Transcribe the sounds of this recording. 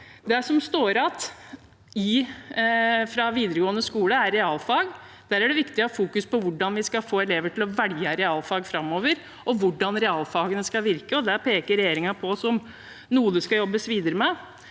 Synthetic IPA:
d̪ɛæʂɔmst̪oːɾɑt̪ | ɪ | fɾɑʋiːd̪əɾəɡoːənəskuːləæɾːɛɑːlfɑːɡ | d̪æːɾæɖɛʋɪkt̪ɪɔfuːkʉspɔʋʊɖɑnʋɪskɑfoːɛleːʋəʈʰɪlɔʋæɽjɑɾɛɑːlfɑːɡfɾɑmːoːʋəɾ | ɔʋʊɖɑnɾɛɑːlfɑːɡənəskɑʋɪɾkəɔd̪æɾpʰeːkəɾɛjeːɾɪŋɑpʰɔɔsɔm | nuːəd̪ʉskɑjɔbːəsʋiːd̪əɾəmɛ

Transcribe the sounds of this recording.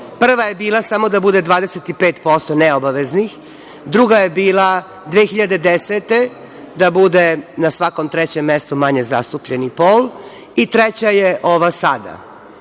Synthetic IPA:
pr̩ʋaje̞biːlasamo̞d̪abud̪ed̪ʋaːd̪eset̪ipeːt̪po̞st̪oneobaʋeznix | d̪ɾuɡaje̞biːlˠa | d̪ʋexiʎad̪e̞d̪eset̪e | d̪abud̪enasʋako̞mt̪ɾet͡ɕemːest̪umaɲe̞za̰st̪upʎenipoːl | it̪ɾet͡ɕajeʔo̞ʋasad̪a̰

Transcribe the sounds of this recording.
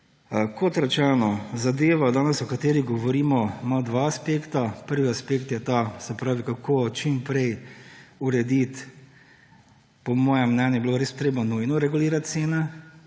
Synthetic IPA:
kʰot̪ɾat͡ʃɛnɔzad̪eːʋad̪aːnɛsɔkat̪eːɾiɡɔʋɔɾiːmɔmad̪ʋaːspeːkt̪apəɾʋiaspekt̪jɛt̪asɛpɾaːʋikakʰot͡ʃimpɾɛj | uɾɛd̪it̪ | pɔmɔːjɛmnɛnjɛbiloɾeːspt̪ɾeːbɔnujnɔɾɛɡuliːɾat̪t̪seːnɛ

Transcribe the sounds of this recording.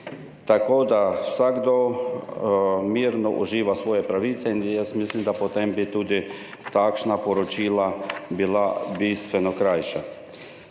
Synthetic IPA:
t̪akoːd̪awsaɡd̪o | miːɾnɔʔṵʒiːʋasʋɔːjɛpɾaʋiːt̪sɛinjɛst̪mislimd̪apot̪embit̪uːd̪i | t̪akʃnapɔɾɔt͡ʃiːlabilabiːst̪ʋɛnɔkɾajʃa

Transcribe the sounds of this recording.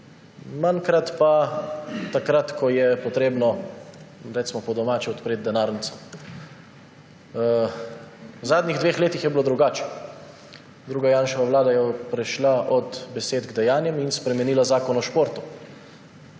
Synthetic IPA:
maŋkɾat̪pa | t̪akɾat̪kʰɔjɛpɔt̪ɾeːbnɔ | ɾɛt̪smɔpɔd̪ɔmaːt͡ʃɛɔt̪pɾeːt̪̚d̪ɛnaɾnit̪sɔm | wzaːd̪niɣd̪ʋeːxleːt̪ixjɛbiloːd̪ɾuɡaːt͡ʃɛ̥ | d̪ɾuːɡajaːnʃɔʋaʋlaːd̪ajɔpɾɛʃlaʔɔt̪bɛseːt̪ɡd̪ɛjaːnjɛminspɾɛmɛniːlazaːkɔnɔʃpoːɾt̪u

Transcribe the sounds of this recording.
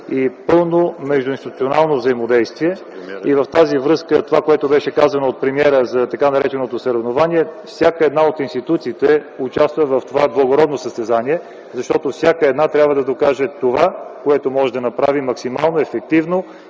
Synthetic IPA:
ipɤlˠnomɛʒd̪ʊinst̪it̪ut̪sʲionalˠnovzəimod̪ɛjst̪viɛs | ivɐft̪azivɾɤskət̪ovakoɛt̪obɛʃɛkazɐnoːt̪̚pɾɛmiɛɾəzɐt̪ɐkanɐɾɛt͡ʃɛnot̪osəɾɛvnovaniɛfsʲjakəɛd̪naot̪inst̪it̪ut̪siːt̪ɛut͡ʃast̪vəvɐft̪ovablˠɐɡoɾɔd̪nosəst̪ɛzaniɛ | zɐʃt̪ɔt̪ofsʲjakəɛd̪nat̪ɾʲabvəd̪ɐd̪okaʒɛt̪ovakoɛt̪omɔʒɛd̪ɐnɐpɾavimɐksimalˠnoɛfɛk̚t̪ivno

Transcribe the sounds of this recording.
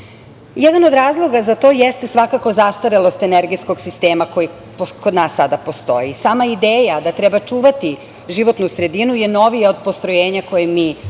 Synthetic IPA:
jɛd̪anod̪ɾaːzlˠo̞ɡazat̪o̞ːjest̪esʋakako̞zast̪aɾelˠo̞st̪eneɾɡisko̞ɡsist̪eːmako̞ji | pokod̪naːsːad̪apo̞st̪o̞̰jisaːmaid̪eːjad̪at̪ɾɛbat͡ʂuːʋat̪i | ʒiʋo̞t̪nusɾe̞d̪inujeno̞ʋijeod̪̚po̞st̪ɾojeːɲako̞jemiː

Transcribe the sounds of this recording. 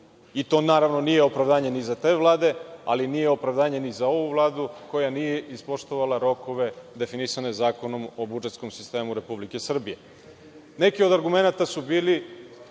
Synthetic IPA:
it̪o̞ːnaːɾaʋno̞nije̞o̞pɾaʋd̪aːɲe̞nizat̪e̞ːʋlˠaːd̪e̞a̰linijeo̞pɾavd̪aːɲe̞nizao̞ʋuvlˠaːd̪uko̞janije̞ʔispo̞ʂt̪oʋalˠaɾo̞ko̞ʋe̞d̪e̞finisanezaːko̞no̞mo̞bud͡ʒet̪sko̞msi̥st̪e̞ːmuɾe̞publike̞sr̩bije̞ | ne̞kio̞d̪aɾɡume̞nat̪asubiːli

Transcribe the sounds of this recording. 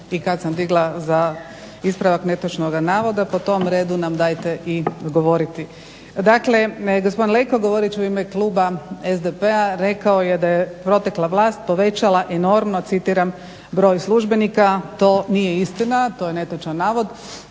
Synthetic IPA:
ikad̪samd̪iɡlˠaza | ispɾaʋakne̞t̪ot͡ʃnoɡanaːʋo̞d̪apo̞t̪o̞mɾe̞ːd̪unamd̪aːjt̪e̞ʔiɡo̞ʋo̞ɾit̪i | d̪akle̞ɡospo̞d̪inlejkoɡo̞ʋoɾit͡ʃuiːmeklˠuːbaezd̪epeaɾe̞kaojed̪ajepɾo̞t̪eklˠaʋlˠaːst̪̚po̞ʋe̞t͡ɕalaʔeno̞ɾmnot̪sit̪iːɾam | bɾo̞ːjslˠuʒbe̞nikat̪o̞ːnije̞ist̪inat̪o̞jene̞t̪ot͡ʃanːaːʋo̞d̪

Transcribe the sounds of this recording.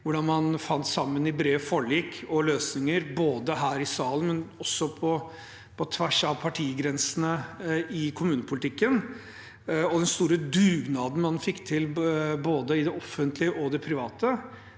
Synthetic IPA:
ʋʊɖɑnmɑnfɑnt̪sɑmːənɪbɾeːʋfɔɭiːkʰɔløːsnɪŋəɾboːd̪əɦæːɾɪsɑːlənmɛnɔsːɔpʰɔ | pʰɔt̪ʰʋæʂɑʋpʰɑʈʰiːɡɾɛnsn̩əɪkʰʊmʉːnəpʰʊlɪt̪ʰɪkːən | ɔd̪ɛnst̪uːɾəd̪ʉːɡnɑːd̪n̩mɑnfɪkːt̪ʰɪlboːd̪əɪd̪ɛʔɔfːənt̪ʰlɪəʔɔd̪ɛpʰɾɪʋɑːt̪ə

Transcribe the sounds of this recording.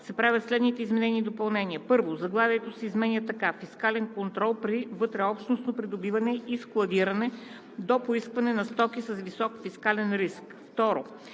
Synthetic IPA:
sɛpɾavʲət̪slɛd̪nit̪ɛizmɛnɛniːd̪opɐlˠnɛnʲiəpɤɾvozɐɡlˠavʲiɛt̪osɛizmɛnʲət̪ɐkafiskalɛnkont̪ɾɔlˠpɾivɤt̪ɾɛɔpʃt̪nosnopɾid̪obivɐnɛisklˠɐd̪iɾɐnɛ | d̪opoiskvɐnɛnɐst̪ɔkisɐsvisɔkfiskalɛnɾisk | ft̪ɔɾo

